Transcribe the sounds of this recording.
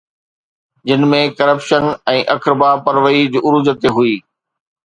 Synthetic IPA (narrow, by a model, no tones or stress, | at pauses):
d͡ʑɪnmẽkɐɾəpʃənɛ̃ːʔɐkɪɾɪbapɐɾʋəid͡ʑʊɾud͡ʑət̪eɦuiː